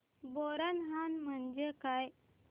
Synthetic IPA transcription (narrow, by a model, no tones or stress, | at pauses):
boɾənɦanm̤əɳd͡ʑekaj